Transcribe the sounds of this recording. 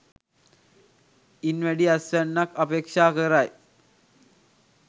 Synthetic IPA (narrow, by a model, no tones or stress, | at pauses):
inʋɐɽiɐsʋɐnːɐkɐpeːkʂaːkɐɾaːj